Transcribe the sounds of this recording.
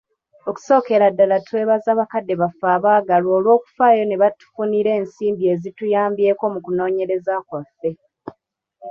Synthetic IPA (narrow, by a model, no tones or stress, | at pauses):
o̞ku̥so̞ːke̞ɾadːalatwe̞ːβazaːβakadːe̞βafaːβaːɡaloːlwo̞ːku̥faːjo̞ne̞βatu̥funiɾe̞ːnsiːmbie̞zitujaːmbje̞ːko̞mukuno̞ːɲe̞ɾe̞zakwafːe̞